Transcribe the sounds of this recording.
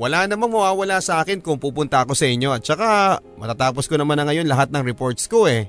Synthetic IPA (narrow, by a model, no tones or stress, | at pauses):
wɐlanɐmaŋmɐwaːwɐlasɐʔaːkɪnkʊŋpuːpʊnt̪ɐɐko̞sɐʔɪɲjo̞ʔɐt̪̚t͡ʃɐkamɐt̪at̪aːpo̞skonɐmanːɐŋɐjo̞nlɐɦat̪̚nɐŋɾɛpo̞ɹt̪̚skoɛ